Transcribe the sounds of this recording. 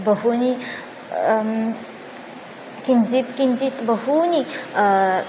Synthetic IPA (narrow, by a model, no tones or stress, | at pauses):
bɐɦuni | kinzit̪kinzit̪bɐɦuni